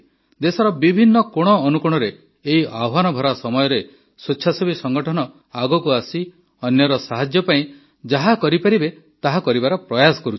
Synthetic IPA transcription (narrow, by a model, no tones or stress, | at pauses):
d̪esɔɾɔbibʱinːɔkoɽ̃ɔːnukuɽ̃ɔɾeː | ɦiʔabʱanɔbʱɔɾasɔmɔjɔɾe | set͡ʃːʃʰasɔbisɔŋɡɔʈʰɔnɔ | aɡɔkuasi | ɔnjɔɾɔsaɦad͡ʒjɔpaĩ | d͡ʒaɦakɔɾipaɾibe | t̪aɦakɔɾibaɾɔpɾɔjasɔ̥kɔɾut͡ʃʰi̥